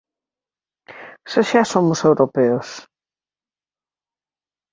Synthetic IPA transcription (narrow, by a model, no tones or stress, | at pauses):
soʃasomʊsewɾopeʊs